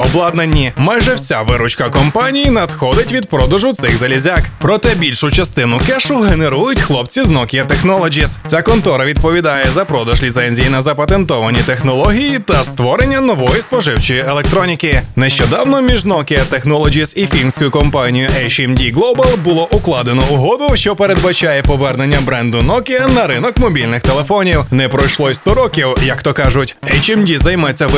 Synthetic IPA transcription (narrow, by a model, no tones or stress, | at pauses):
ɔblˠɑd̪nɐnʲːimajʒɛwsʲaʋɪɾʊt͡ʃkɐkɔmpɑnʲijinɐd̪xɔd̪ɪtʲʋʲid̪̚pɾɔd̪ɐʒʊt̪sɪxzɐlʲizʲakpɾɔt̪ɛbʲilʲʃʊt͡ʃɐst̪ɪnʊkɛʃʊɦeneɾujʊtʲxlˠɔpt͡sʲiznɔkʲijɐt̪exnɔlˠɔd͡ʒist͡sʲakɔnt̪ɔɾɐʋʲid̪̚pɔʋʲid̪ɑjɛzɐpɾɔd̪ɐʒlʲit̪sɛnʲzʲijinɐzɐpɐt̪e̞nt̪ɔʋɐnʲit̪e̞xnɔlˠɔɦʲijit̪ɐst̪ʋɔɾe̞nʲːɐnɔʋɔjispɔʒɪwt͡ʃɔjielˠek̚t̪ɾɔnʲikɪnɛʃt͡ʃɔd̪ɑwnɔmʲiʒnɔkʲɪjɐt̪exnɔlˠɔd͡ʒisifʲinsʲkʊjʊkɔmpɑnʲijʊʔɛjt͡ʃɛmdʲiɡlˠɔbɐlˠbʊlˠɔʔʊklˠɑd̪enɔʊɦɔd̪ʊʃt͡ʃɔpeɾe̞d̪bɐt͡ʃajɛpɔʋɛrnenʲːɐbɾɛnd̪ʊnɔkʲɪjɐnɐɾɪnɔkmɔbʲilʲnɪxt̪elˠefɔnʲiwnɛpɾɔjʃlˠɔjst̪ɔɾɔkʲiwjɐkt̪ɔkɑʒʊtʲɛjt͡ʃɛmdʲizɐjmɛt͡sʲːɐʋ